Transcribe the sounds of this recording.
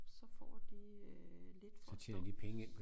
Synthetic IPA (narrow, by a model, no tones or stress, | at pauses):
sɒ̽fɒ̰ːd̥e | le̝d̥fɒt͡sʰḛːnɐd̥ipʰeŋəen